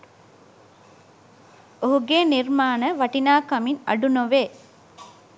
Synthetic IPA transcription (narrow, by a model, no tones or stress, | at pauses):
oɦuɡeːnirmaːnəʋaʈinaːkamina̰ɖunoʋe